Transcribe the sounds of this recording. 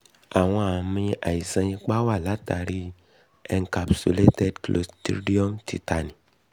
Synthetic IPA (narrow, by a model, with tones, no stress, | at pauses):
a˨w̃ɔ̃˦a˨mĩ˦ʔa̰˨i˨sã˧ɲĩ˧k͡pa˦wa˦˨la˨˦ta˨ɾi˦ | ɛ˨ŋka˨psṵ˦le˦tɛ˦dklo̰˨sti˦di˦ɔ˦mtḭ˨ta˨ni˨